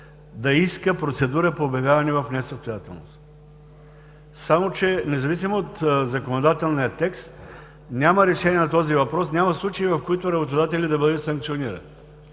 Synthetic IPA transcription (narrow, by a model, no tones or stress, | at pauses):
d̪ɐiskəpɾot̪sɛd̪uɾəpoːbɛɡavɐnivɐfnɛsəst̪ojat̪ɛlˠno̰s | samot͡ʃɛnɛzɐvisimoot̪zɐkonod̪at̪ɛlˠnijət̪ɛkst̪ | nʲamɐɾɛʃɛnʲiɛnɐt̪ɔzivɐpɾɔsnʲamɐslˠut͡ʃɐivɐfkoit̪oɾɐbot̪od̪at̪ɛlʲid̪ɐbəd̪ɛsɐŋk̪̚sioniɾɐ̰ni